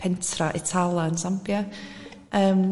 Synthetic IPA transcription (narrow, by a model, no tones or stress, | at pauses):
pʰɛntʰraʔɪtʰalˠaənsampja | ʔəːm